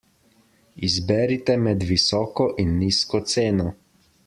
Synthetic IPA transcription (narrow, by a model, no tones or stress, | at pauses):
izbɛːɾit̪ɛmɛd̪ʋisɔːkɔʔinːiːskɔt̪seːnɔ